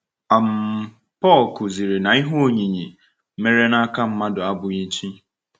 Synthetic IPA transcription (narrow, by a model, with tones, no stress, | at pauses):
a˨m̩˨ | pɔ˦˨lkʊ˨zi˨ɾe˨na˨i˦ɦo˦˨ɲi˨ɲi˨˦ | me˦ɾe˦na˦ka˦m̩˦ma˦dʊ˨a˦bʊ˨ɲi˦t͡ʃi˦